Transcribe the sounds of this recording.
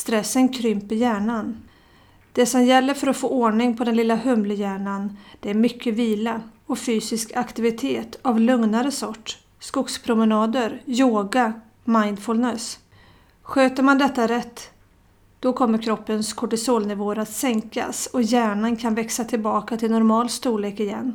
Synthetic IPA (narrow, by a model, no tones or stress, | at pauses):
st̪ɾɛsːənkʰɾʏmpəɾjæːɳan | d̪̥ɛsɔmjɛlːəɾfœɾɔfoːoːɳɪŋpʰɔd̪ɛnlɪlːaɦɵmləjæːɳand̪̥ɛæɾmʏkʰːəviːlaɔfyːsɪskʰakt̪ɪvɪt̪ʰeːt̪ʰavlɵŋnaɾəsɔʈː | skʊkspʰɾʊmɛnɑːd̪əɾjoːɡa | majnfɵlnɛs | ɧøːt̪əɾmand̪ɛt̪ːaɾɛt̪ː | d̪̥ɔkʰɔmːəɾkʰɾɔpːənskʰɔʈɪsoːlnɪvoːəɾat̪sɛŋka̰sɔjæːɳankʰanvɛksat̪ʰɪlbɑːkat̪ʰɪlnɔɾmɑːlst̪uːɭeːkɪjɛ̰nː